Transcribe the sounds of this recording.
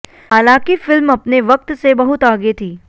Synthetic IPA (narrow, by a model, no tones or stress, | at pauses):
ɦaːlãːkifɪlmɐpneʋɐk̚t̪sebɐɦʊt̪aːɡet̪ʰiː